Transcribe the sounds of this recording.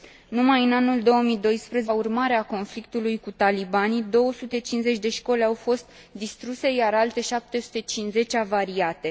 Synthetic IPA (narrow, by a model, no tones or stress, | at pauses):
numajɨnanuld̪o̞wəmid̪o̞jspɾəzeurmaɾeako̞nflik̚t̪ulujkut̪alibanid̪o̞wəsut̪e̞t͡ʃinze̞t͡ʃʲd̪e̞ʃko̞leawfo̞st̪ | d̪ist̪ɾuse̞jaɾalt̪e̞ʃap̚t̪e̞su̥t̪e̞t͡ʃinze̞t͡ʃʲavaɾiat̪e̞